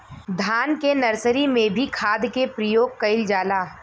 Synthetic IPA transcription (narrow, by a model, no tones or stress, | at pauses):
d̪ʱaːnkenɐɾsəɾimẽbʱikʰaːd̪kepɾəjoːɡ̚kɐɪld͡ʒaːlaː